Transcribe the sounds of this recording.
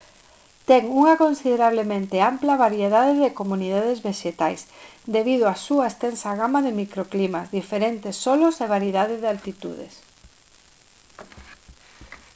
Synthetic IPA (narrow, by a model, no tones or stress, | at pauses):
t̪ɛŋuŋɐkonsiðeɾaβ̞lemẽnt̪ɪamplaβaɾjeðaðɪðɪkomũnið̞að̞ezβeʃet̪ajsd̪eβiðʊasuɐest̪ɛnsaɣamaðɪmikɾoklimazðifeɾent̪ɪsːɔlʊseβ̞aɾjiðaðɪðalt̪it̪ṵðḛs